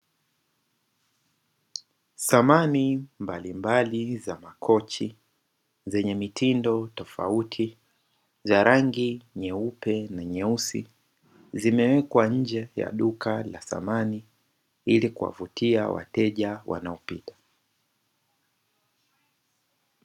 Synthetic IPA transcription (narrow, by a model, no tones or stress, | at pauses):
samanimbalimbalizamakʰɔt͡ʃi | zɛɲɛmitʰindɔtɔfa̰utʰi | zaɾʔaŋɡiɲɛupɛnaɲɛusḭ | zimɛwɛkwaɲ̩d͡ʒɛja̰ɗukala̰sa̰mani | ilikuwa̰vutʰia̰wa̰tɛʄawʔa̰naɔpitḁ